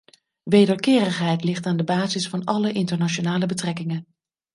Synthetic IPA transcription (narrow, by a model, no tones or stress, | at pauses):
ʋejdəɹkɪːrəχɦɛjtlɪχtaːndəbaːzɪsfɑnɑləʔɪntəɹnat͡ʃonaːləbətrɛkɪŋən